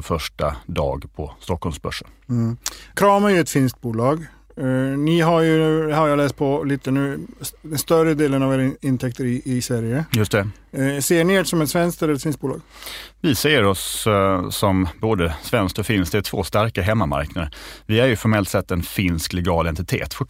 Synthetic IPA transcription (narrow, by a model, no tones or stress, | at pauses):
fœʂʈad̪ɑ̰ːɡpʰɔst̪ɔkːɔlmsbœ̰ʂə | kʰɾɑːmæɾjɵɛt̪fɪnskt̪̚buːlɑːɡ | nɪɦaɾjɵnʉhaɾjɑːlɛːst̪̚pʰɔliːt̪ənʉ̟ːd̪ɛnst̪œɾəd̪eːlənɑveːɾɪnt̪ʰɛkt̪əɾɪːsvæɾjəjɵst̪ɛ | seːɳɪeːɖsɔmɛt̪svɛnskt̪ɛləɾɛt̪fɪnsk̚buːlɑ̰ːɡvɪsɛjəɾɔsː | ɔmboːd̪əsvɛnskt̪ɔfɪnskt̪ætʰvo̰ːst̪aɾkaɦɛmːama̰ɾknad̪əvɪæɾjɵfɔɾmɛlt̪sɛt̪ːɛnfɪnsklɛɡɑːlɛnt̪ɪt̪ʰḛːt̪fɔ